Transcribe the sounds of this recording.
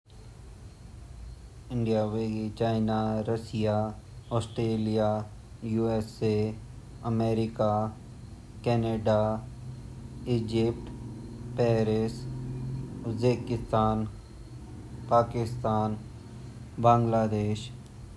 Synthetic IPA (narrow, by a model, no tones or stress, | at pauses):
ɪ̃ɳɖijaweɡit͡ʃaːɪnaɾəsijaɔːsʈɾeːlija | juːese | əmeːɾɪka | kɛːneɖa | ɪːd͡ʒɪp̚ʈpɛːɾes | ʊzeːkɪst̪aːn | paːkɪst̪aːn | bãːŋɡlaːd̪eːʃ